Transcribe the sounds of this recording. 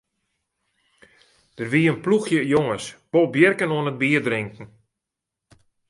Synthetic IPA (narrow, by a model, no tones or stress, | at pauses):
d̥ərʋiəənpluxjəjoŋəsb̥olˠbjərkənoənət̚biərdrɪŋkŋ̩